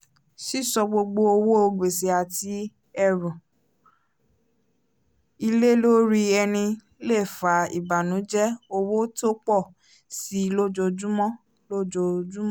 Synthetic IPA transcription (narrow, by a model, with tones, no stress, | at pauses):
ʃi˦˨sɔ˧ɡ͡bo˧ɡ͡bo˧o˧wo˦o˧ɡ͡be˨se˨a˨ti˧˦ | ɛ˦˨ɾɔ̃˨ | i˧le˦lo˦ɾi˧ɛ˧nĩ˧ | le˦˨fa˨˦ḭ˨ba˨nũ˨˦d͡ʒɛ˦o˧wo˦to˦k͡pɔ˦˨ | si˨˦˧lo˦d͡ʒo˧d͡ʒu˦mɔ̃˦ | lo˦d͡ʒo˧d͡ʒu˦mɔ̃˦